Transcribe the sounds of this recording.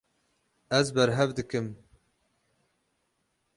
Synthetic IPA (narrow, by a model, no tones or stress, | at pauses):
ɛzbɛɾɦɛvd̪ɨkɨm